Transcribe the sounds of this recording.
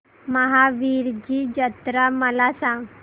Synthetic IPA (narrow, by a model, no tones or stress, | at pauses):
məɦaʋiɾd͡ʑid͡ʑət̪ɾaməlasãŋɡ